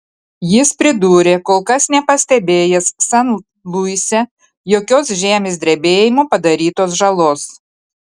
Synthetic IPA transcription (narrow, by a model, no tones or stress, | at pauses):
jɪspʲɾʲɪd̪uːɾʲeːkoːlˠkɐsnʲɛpɐsʲt̪ʲɛbʲeːjɛsːɐn | lˠuɪsʲɛ | joːkʲoːs̬ʒʲæːmʲesʲd̪ʲɾʲɛbʲeːjɪmoːpɐd̪ɐɾʲiːt̪oːs̬ʒɐlˠoːs